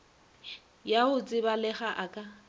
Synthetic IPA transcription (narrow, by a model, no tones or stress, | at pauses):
jaʊt͡sʼɪbalɛχaʔakʼa